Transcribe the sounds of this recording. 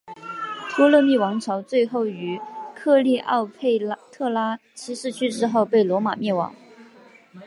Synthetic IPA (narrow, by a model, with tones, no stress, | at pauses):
t̪ʰwɔ˥lɤ˥˧mi˥˩wɑ˧˥ŋʈ͡ʂʰɑ˧˥ʊt͡swe˥˧ɪxo˥˩ʊy˧˥kʰɤ˥˧li˥˧ʔɑ˥˧ʊpʰe˥˧ɪt̪ʰɤ˥˩la˥t͡ɕʰi˧˥ʂɻ̩˥˧t͡ɕʰy˥ʈ͡ʂɻ̩˥xo˥˧ʊpe˥˩ɪlwɔ˧˥ma̰˨˩mjɛ˥˩nwɑ̰˨˩˦ŋ